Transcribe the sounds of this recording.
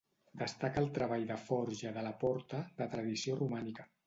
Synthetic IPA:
d̪əst̪akəːlˠt̪ɾəβ̞aʎðəfɔɾʒəðələpɔɾt̪əðət̪ɾəðisiorumanikə

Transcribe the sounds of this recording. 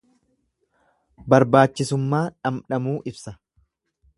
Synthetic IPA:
bɐɾbaːt͡ʃːɪsʊmːaːᶑɐmᶑɐmuːʔɪbsɐ

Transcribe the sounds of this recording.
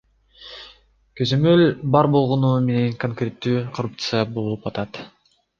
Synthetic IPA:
køzø̞mø̞lʲbɑɾbo̞lˠʁonume̞ne̞ŋkoŋkrʲe̞t̪ːyːkʰorup̚t̪sɨjabolˠupɑt̪ɑt̪

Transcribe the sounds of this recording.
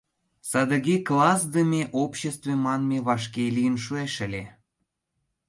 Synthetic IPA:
sɑd̪ə̆ɣeklɑs̬d̪əmʲeʔopɕest̪vemɑnmeβɑʃkelijənʃueʃə̆lʲe

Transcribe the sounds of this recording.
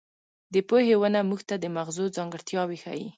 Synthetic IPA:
d̪əpohewənamuɡt̪ad̪əmaɣzozɑŋɡəɽt̪jɑwixa̰ji

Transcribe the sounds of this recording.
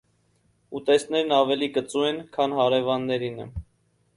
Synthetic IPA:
ut̪ɛsnɛɾnɑvɛlikət͡suɛnkʰɑnɦɑɾɛvɑnːɛɾinə̰

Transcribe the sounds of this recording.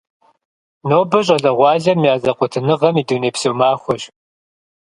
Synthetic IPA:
noːbɨɕ̬ʼɐɮɐʁʷɑːɮɐmijaːzɐqʷʊtʰɨnɨʁɐmiːduːneːpsowmaːxʷɔɕ

